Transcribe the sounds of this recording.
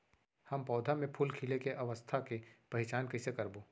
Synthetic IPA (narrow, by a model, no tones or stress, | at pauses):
hɐmpɔːd̪ʱamẽpʰulkʰilekeʔɐʋəst̪ʰakepɐɦɪt͡ʃaːnkɐɪsekɐɾboː